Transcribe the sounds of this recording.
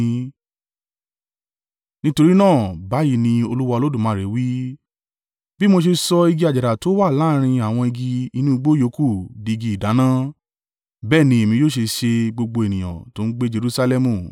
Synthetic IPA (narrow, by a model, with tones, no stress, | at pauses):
nĩ˦to˧ɾi˦nãː˦˨ba˨˦ji˦˨nĩ˧o˧lu˦wa˧o˧lo˦dũ˦˨mãː˨˦˨ɾe˨˦wi˦ | bi˦mo˧ʃ̬e˧sɔ˧i˧ɡi˧a˨d͡ʒa˨ɾa˨to˨˦wa˦˨la˦ɾ̃ĩ˧a˨w̃ɔ̃˧i˧ɡi˧i˧nũ˦i˧ɡ͡bo˦jo˨˧˦ku˦˨di˧ɡi˧i˨da˨˦nã˦ | bɛː˦˨nĩ˧˦e˨mĩ˧joː˦˨ʃ̬e˧ʃe˧ɡ͡bo˧ɡ͡bo˧e˨nĩ˨j̃ã̰˨to˨˦n̩˦ɡ͡be˦d͡ʒe˧ɾu˦sa˧lɛ˧mũ˨